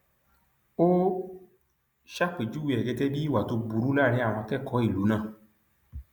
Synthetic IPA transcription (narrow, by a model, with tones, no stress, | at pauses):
o˦ | ʃa˦k͡pe˨d͡ʒu˦wi˧ɛ˨ɡɛ˧tɛ˦bi˦i˦˨wa˨to˧bu˨ɾu˨˦la˦˨ɾ̃ĩ˧˦a˦˨ɾ̃ã˧kɛ˦˨kɔ˨˦i˦˨lu˨˦nãː˦˨